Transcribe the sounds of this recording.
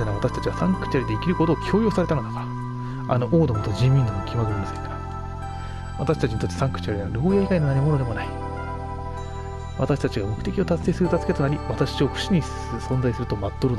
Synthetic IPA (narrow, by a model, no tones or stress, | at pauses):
enaβat̪aɕi̥t̪ḁt͡ɕiβasãŋkkɯ̥t͡ɕaɾid̪eikʲiɾɯ̟ko̞t̪o̞ːkʲʰo̞ːjo̞ːsaɾe̞t̪and̪aka | ano̞ʔoːd̪o̞mot̪od͡ʑĩmːʲĩnɡ̪amokʲʰimaɡɯ̟ɾʲimase̥ŋka | βat̪aɕi̥t̪at͡ɕiɲit̪ot̪ːesãŋkɯ̟̥t͡ɕaɾʲiaɾo̞ːjaiɡainonaɲ̟imo̞no̞d̪e̞mo̞nai | βat̪aɕi̥t̪at͡ɕiɡamo̞kɯ̟̥t̪e̞kʲio̞t̪asɨ̥se̞ːsɨɾɯt̪at͡sɨ̥ke̞t̪o̞naɾʲiβat̪aɕio̞ɸɯ̟̥ɕiɲ̟i | sõ̞nzaisɨɾɯ̟t̪omat̪ːoɾɯn